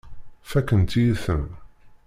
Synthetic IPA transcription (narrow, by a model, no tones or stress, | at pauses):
fækənt̪ijiθə̰n